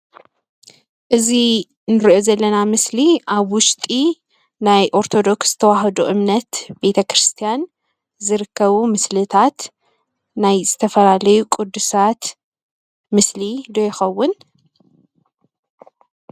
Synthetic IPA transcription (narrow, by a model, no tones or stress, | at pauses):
ʔɨzi | nɨɾʔozɐlːɐnamɨsliʔaβwʊʃt̪ʼi | najʔo̞ɾt̪ʰo̞d̪o̞ksz̥ɨt̪ʰɐwaɦɐd̪uʔɨmnɐt̪be̞t̪ʰɐkɾɨst̪ʰijan | zɨɾɨkːɐβumɨslɨt̪ʰat̪ | najzɨt̪ʰɐfɐlalɐjukʼʊd̪ːusat̪ | mɨslid̪ojɪxɐwːʊn